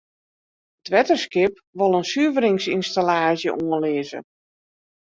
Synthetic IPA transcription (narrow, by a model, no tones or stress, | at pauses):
ətʰʋɛtəskɪp̚ | ʋolˠənsyəvəɾɪŋsinstalaːʒjə̰ʔuənlɪːəzə̰